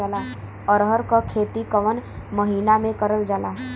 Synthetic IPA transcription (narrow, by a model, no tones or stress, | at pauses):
aːla | ɔɾɦəɾkakʰeːt̪ikəʋən | məɦiːnamẽkəɾəld͡ʒaːlaː